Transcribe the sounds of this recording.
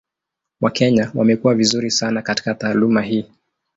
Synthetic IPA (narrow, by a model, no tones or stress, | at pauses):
wakɛɲawamɛkuwavizuɾisanakati̥kat̪aːlumaɦiː